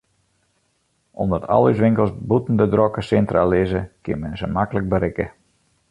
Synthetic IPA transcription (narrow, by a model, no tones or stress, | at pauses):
o̰mdɔtʰɔ̰lˠys̬ʋɪŋkəlˠsbutn̩dədrɔkəsɛntralɪzəkɪ̰nmɛnzəmakələk̚bəɾɪkə